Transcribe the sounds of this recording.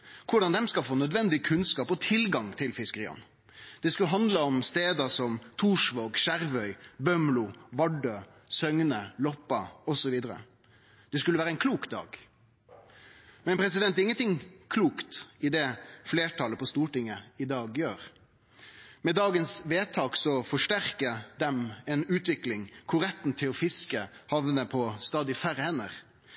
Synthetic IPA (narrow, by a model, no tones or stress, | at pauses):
kʰʊɖɑnd̪ɛmskɑlfoːnœd̪ʋɛnd̪ɪkʰʉnskɑːpɔt̪ʰɪlɡɑŋt̪ʰɪlfɪskəɾḭːɑ̰n | d̪̥ɛskʉlɦɑnd̪ləɔmst̪eːd̪ɑsɔmt̪ʰuːʂʋoːɡʃæɾʋœʏbœmlʊʋɑɖøː | sœŋnəlɔpːɑɔsɔʋiːd̪əɾə̰ | d̪̥ɛskʉlːʋæːɾəæɪnkʰluːkd̪ɑ̰ːɡ | mɛnpʰɾɛs̬ɪd̪ɛnt̪ɪŋːənt̪ɪŋkʰluːkt̪ɪd̪ɛfleːʈʰɑləpʰɔst̪uːʈɪŋːəɪd̪ɑːɡjøːɾ | mɛd̪ɑːɡənsʋeːt̪ʰɑːksɔfɔʂʈæɾkəd̪ɛmɛnʉːt̪ʋɪklɪŋkʰʊɾɛt̪n̩t̪ʰɪlɔfɪskəhɑʋnəpʰɔst̪ɑːd̪ɪfæɾəhɛnːəʁ